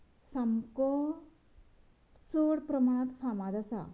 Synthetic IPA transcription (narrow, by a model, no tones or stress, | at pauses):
sɐmko | t͡soɽpɾɐmaɳ̃ət̪fʰamad̪asa̰